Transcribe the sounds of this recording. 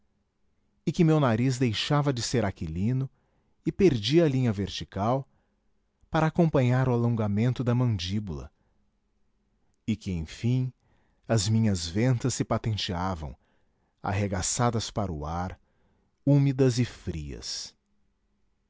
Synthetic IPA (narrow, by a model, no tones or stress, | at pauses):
ɪkɪmewnaɾiz̬d̪ejʃavɐd͡ʒɪseɾakilĩnʊ | ɪpeɾd͡ʒiɐlĩɲɐveɾt͡ʃikaw | paɾɐːkõmpɐ̃ɲaɾʊalõɡamẽnt̪ʊd̪ɐmɐ̃nd͡ʒibulɐ̰ | ɪkɪẽj̃fĩ | ɐzmĩɲɐzvẽnt̪ɐsːɪpat̪ẽnt͡ʃiavɐ̰̃w̃ | a̰ɦeɡasad̪ɐspaɾʊ̰aɾ | umid̪ɐzɪfɾiɐ̰s